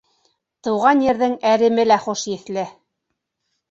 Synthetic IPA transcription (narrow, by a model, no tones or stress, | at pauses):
t̪ɤ̆wʁɑnjɘ̆ɾðɘŋæɾɘ̆mɘlæχuʃjɘ̆θlɘ